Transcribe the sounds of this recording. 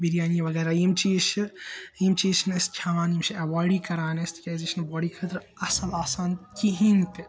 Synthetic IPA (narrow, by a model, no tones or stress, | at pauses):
biɾijaːnjɐʋɐɡɛːɾaimt͡ʃiːʃ | imt͡ʃiːʃnɐst͡ʃʲʰaʋaːnimt͡ʃʰiɐʋaːɖikɐɾaːnest̪ʰit͡ʃʲaːjzeːʃɐnbɔːɖiːkʰɐɾt̪ɾ | ɐsɐlaːsaːnkiɦint̪i